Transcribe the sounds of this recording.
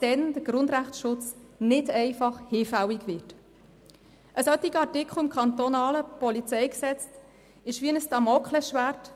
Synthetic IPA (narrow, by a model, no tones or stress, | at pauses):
d̥ɛnd̥əɾɡ̥ɾʊnd̪ɾæχtʃʊt͡snɪdɛɪfɑχhɪːfæwiɡvɪt | ʔəsœt̪iɡəɑɾtɪkχl̩ɪmkʰɑnt̪ɔnɑːləpɔlit͡sɛjksɛt͡st | ɪʃʋiənəstɑmɔkχlɛʃʋært